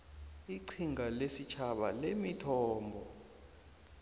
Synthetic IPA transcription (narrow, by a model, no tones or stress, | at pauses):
iǀʰiŋalesit͡ʃʰaɓa̰lemitʰɔːmbʱɔ